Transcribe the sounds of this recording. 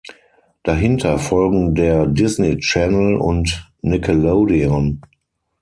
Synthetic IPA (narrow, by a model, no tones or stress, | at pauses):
d̥aɦɪntʰɐfɔlɡŋ̩deːɐdɪsnit͡ʃɛnəlʊ̰ntnɪkʰəloʊdiɔn